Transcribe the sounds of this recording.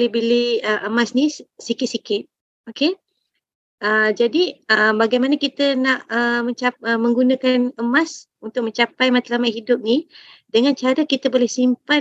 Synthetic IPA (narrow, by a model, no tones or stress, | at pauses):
libiliəʔəmasnisikɪt̪̚sikɪt̪̚ | oke | əd͡ʒadiəbaɡajmanakit̪ənaʔəməɲt͡ʃaəmə̃ŋɡunakanəmas | unt̪ʊk̚mə̃ɲt͡ʃapajmat̪alamaʔhidʊp̚nidəŋant͡ʃaɾəkit̪əbolɛhsimpa